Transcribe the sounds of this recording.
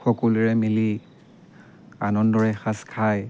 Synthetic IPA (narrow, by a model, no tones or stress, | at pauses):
xɔkuluɹɛmili | anɔndɔɹɛxaskʰaj